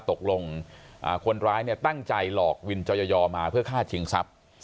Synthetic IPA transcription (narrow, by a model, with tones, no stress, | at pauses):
t̪o˨˩k̚lo˧ŋʔa̰ː˨˩kʰo˧nɾaː˦˥jni˥˩ɐt̪a˥˩ŋt͡ɕa˧jlɔː˨˩k̚wi˧nt͡ɕɔ˧jɔː˧jɔː˧maː˧pʰɯ˥˩ɐkʰaː˥˩t͡ɕʰi˧ŋsa˦˥p̚